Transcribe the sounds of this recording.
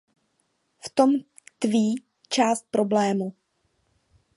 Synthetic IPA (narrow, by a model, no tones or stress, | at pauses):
ft̪o̞m | t̪viː | t͡ʃaːst̪̚pɾo̞blɛːmu